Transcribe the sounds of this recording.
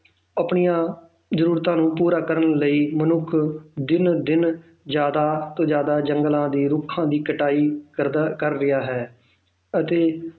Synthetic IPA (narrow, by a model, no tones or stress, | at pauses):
apɳijãː | zəɾuːɾt̪ãːnũːpuːɾaːkəɾənləiːmənʊkʰd̪ɪnd̪ɪn | d͡ʒjaːd̪aːt̪õːd͡ʒjaːd̪aːd͡ʒəŋɡəlãːd̪iːɾʊkʰːãːd̪iːkəʈaːiːəɾkəɾːɪaːɦɛː | ət̪eː